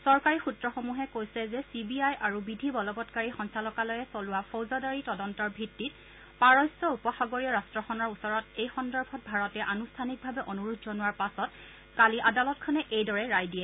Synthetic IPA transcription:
sɔɹkaɹixutɹɔxomuɦɛkojsɛzɛsibiajʔaɹubidʱibɔlɔbɔtkaɹixɔnsalɔkalɔjɛsolʊwapʰowzadaɹitɔdɔntɔɹbʱitːit̚ | paɹɔjsːɔupɔxaɡoɹiɔɹastɹɔxɔnɔɹusɔɹɔtejxɔndɔɹbʱɔt̚bʱaɹɔtɛʔanustʰanik̚bʱabɛʔonuɹutzɔnʊwaɹpasɔt | kaliʔadalɔtkʰɔnɛʔejdɔɹɛɹajdiɛ

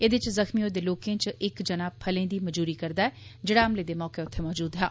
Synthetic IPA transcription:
eːd̪eɪt͡ʃzəxmioːd̪eːloːkẽːt͡ʃɪkd͡ʒənaːpʰəlẽːd̪iːməd͡ʒuːɾiːkəɾd̪aːɛːd͡ʒɪɽaːəmleːd̪eːmɔːkeːʊt̪ʰːeːmɔːd͡ʒuːd̪ɦɛ̰ː

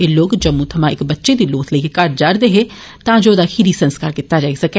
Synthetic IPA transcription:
eːloːkd͡ʒəmũːt̪ʰəmãːɪ̰kbətːʃeːd̪iːloːt̪ʰləikekəɾʈd͡ʒaːɾd̪eːɦeː | t̪ãːd͡ʒoːd̪aːkʰiɾiːsənskaːɾkɪt̪ːaːd͡ʒaːesəkː

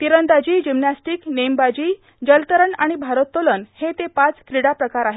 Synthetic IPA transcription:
t̪iɾənd̪ad͡ʑiːd͡ʑimnasʈiːknembad͡ʑiː | d͡ʑəlt̪əɾəɳaɽ̃ibʱaɾət̪ːolənhet̪epat͡skɾiɽapɾəkaɾaɦe

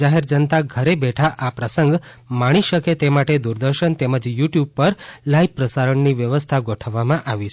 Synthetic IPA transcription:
aɦeɾd͡ʒənt̪aɡʱəɾebɛʈʰaʔapɾəsəŋɡ | maɽ̃iʃəket̪emaʈed̪uɾd̪əɾʃənt̪eməd͡ʒjuʈjub̚pəɾlaipɾəsaɾəɳniʋjəʋəst̪ʰaɡoʈʰəʋːamãʔaʋi

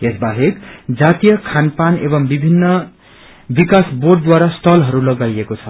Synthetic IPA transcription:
esbaɦekd͡zat̪ijʌkʰanpanḛbʌŋbibʱinːʌ | bikasborɖ̚d̪waɾasʈʰʌlɦʌɾulʌɡajekot͡sʰʌ

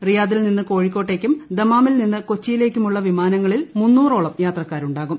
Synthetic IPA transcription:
rijaːðilninːɨko̞ːɻikʲːo̞ːʈːe̞ːkʲːumd̪emaːmilninːɨko̞t͡ɕːijile̞ːkʲːumuɭːɐʋimaːnɐŋːɐɭilmunːuːroːɭɐmjaːt̪rɐkːaːɾuɳɖaːɣum

